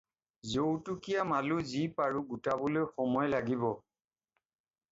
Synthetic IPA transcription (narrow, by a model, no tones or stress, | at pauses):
zowtʊkijamalʊzipaɹuɡutabɔlojxɔmɔjlaɡibɔ